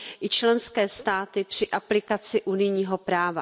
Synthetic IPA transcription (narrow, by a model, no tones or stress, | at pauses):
ʔɪt͡ʃlɛnskɛːst̪aːt̪ɪpr̝̥ɪʔaplɪkat͡sɪʔunɪjɲiːɦo̞pɾaːva